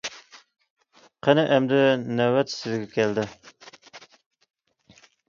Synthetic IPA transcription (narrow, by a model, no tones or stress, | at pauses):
qʰenɛʔɛmd̪ɛnɛwɛt̪sɪzɡʲɛkʲʰɛld̪ɪ